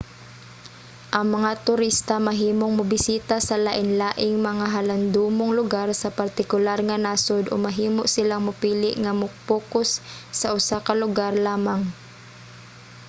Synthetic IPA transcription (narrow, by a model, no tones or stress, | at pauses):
ʔɐŋmɐŋat̪ʊɾist̪amaɦiːmoŋmʊbɪsiːt̪asɐlaʔɪnlaːʔɪŋmɐŋaɦaland̪uːmoŋlʊɡaɾsɐpaɾt̪ɪkʊlaɾŋanaːsod̪ʔo̰maɦiːmoʔsɪlaŋmʊpiːlɪʔŋamʊk̚puːkʊsːɐʔʊsakalʊɡaɾlaːmaŋ